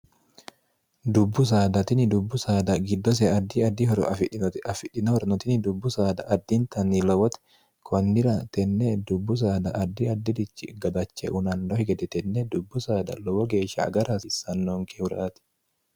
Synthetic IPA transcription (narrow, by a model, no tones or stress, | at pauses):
d̪ʊbːʊs̬aːd̪ɐt̪ɪnɪd̪ʊbːʊsaːd̪ɐɡɪd̪ːɔs̬ɛɐd̪ːiɐd̪ːiɔɾɐfɪᶑɪnɔhɔɾnɔt̪ɪnɪd̪ʊbːʊsaːd̪ɐʔɐd̪ːint̪ɐnːiːlɔwɔt̪ɛ̥ | kʰɔnːɪɾɐt̪ɛnːed̪ʊbːʊs̬aːd̪ɐʔɐd̪ːiɐd̪ːɪd̪ɪt͡ʃːɪɡɐd̪ɐt͡ʃːɛ̰ʔʊnɐnd̪ɔhɪɡɛd̪ɛt̪ɛnːɛd̪ʊbːʊsaːd̪ɐ̰lɔwɔɡe̞ːʃɐ̰ːɡɐɾasɪsɐnːoŋkʰehʊɾa̰ːt̪ɛ̥